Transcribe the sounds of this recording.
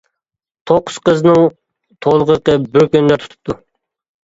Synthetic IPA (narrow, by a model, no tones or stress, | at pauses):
t̪ʰoqʰːʊ̥sqəznɨŋ | t̪ʰolˠəʁəɾqəbyɾkʲønlæɾt̪ʰu̥t̪ʰu̥p̚t̪ʰu